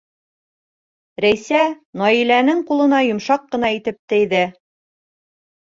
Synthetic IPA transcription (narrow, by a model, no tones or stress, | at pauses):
ɾæjsæ | nɒilænɘŋqulˠɤ̆nɑjŏmʃɑqːɤ̆nɑit̪ɘp̚t̪ɘ̆jðɘ